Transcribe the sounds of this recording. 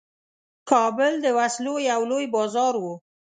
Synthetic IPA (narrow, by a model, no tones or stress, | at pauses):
kɑbʊld̪əwaslojawlojbɑzɑɾwu